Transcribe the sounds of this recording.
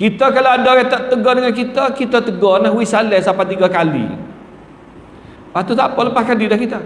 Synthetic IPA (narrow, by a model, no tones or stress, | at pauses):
kit̪ɔkaloandɔwɛt̪aʔt̪əɡɔndəŋankit̪ɔkit̪ɔt̪əɡɔnaɦuisalɛsapat̪iɡakalḭ | pat̪ut̪apɔləpahkadidahkit̪ɔ